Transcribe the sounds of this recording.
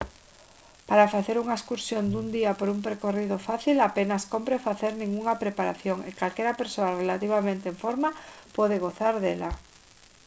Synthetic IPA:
paɾafaθeɾuŋaeskuɾsjond̪und̪iapoɾumpeɾkorið̞ofaθilapenaskompɾefaθeɾnĩŋɡuŋapɾepaɾaθjoŋekalkɛɾapeɾsoarelat̪iβ̞amẽnt̪eɱfoɾmapɔð̞eɣ̞oθaɾðela

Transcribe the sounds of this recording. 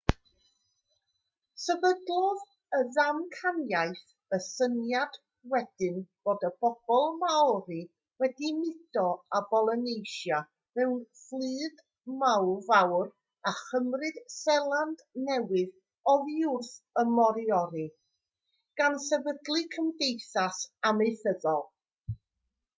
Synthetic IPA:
səbədlɔð | əðamkʰanjajθ | əsənjad̥ | wɛd̥ɨnb̥oːdəbɔb̥ɔlˠmawɾi | wɛdimɪd̥ɔabɔlˠənejʃja | vɛwflˠɨːd | mawvawr | aχəmrɨd̥sɛlˠandnɛwɪð | ɔðiʊrθəmɔɾjɔɾɨ | ɡ̥ansɛvədlˠɨkʰəmdejθasameɨθəðɔlˠ

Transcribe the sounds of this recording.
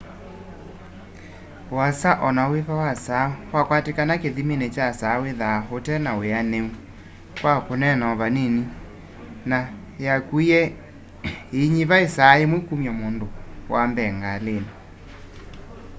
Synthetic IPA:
wasaʔɔnaweβawasawakwatekanakeðimenet͡ʃasaweðahotɛnaweaneu | kwakonɛnɔβaneni | na | jakuiɛ | eɲiβaesaemwekumjamondowʔambɛŋɡalena

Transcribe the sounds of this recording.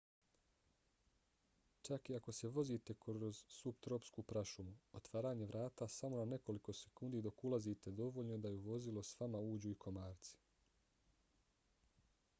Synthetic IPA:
t͡ʃakiako̞se̞ʋo̞zit̪e̞kozsupt̪ɾo̞pskupɾaʃumuot̪ʋaːɾaːɲe̞ʋɾʔaːt̪asamo̞nane̞ko̞liko̞se̞̥kuːnd̪id̪o̞kulˠazit̪e̞d̪o̞ʋo̞ʎnod̪ajuʋo̞zilˠo̞sʋamauːd͡ʑuikʰo̞maːɾt̪si̥

